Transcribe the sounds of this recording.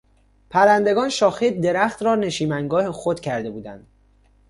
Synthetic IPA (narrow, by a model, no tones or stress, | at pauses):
pʰæɾænd̪e̞ɡɒːnʃɒːxed̪e̞ɾæxt̪ɾɒːne̞ʃiːmæŋɡɒːhexod̪cʰæɾd̪e̞buːd̪ænd̪̥